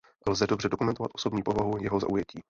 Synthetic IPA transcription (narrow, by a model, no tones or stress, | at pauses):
lzɛdo̞brɛdo̞kumɛnt̪ova̰t̪ʔoso̞bɲiːpovaɦujɛɦo̞za̰ʔujɛciː